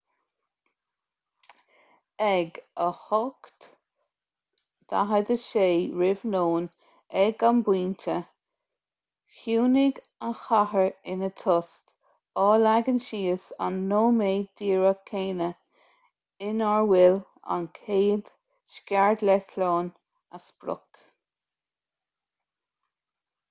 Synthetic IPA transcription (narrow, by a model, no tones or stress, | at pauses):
ɛɡəhɔkt̪ | d̪̥a̰ɦəd̪əʃeːɹɪvnoːn | ɛɡanbwiːntʰə | xjuːnɪɡ | anxahəɹɪnət̪ʰʊst̪ | ɔːlaɡənʃiːəsa̰nːoːmeːd̪̥iːɹəkʰeːnə | ɪnaɹwɪl | a̰nkʰeːd̪ | ʃkʲaɹd̪lɛkʰloːn | asbɾʊ̰k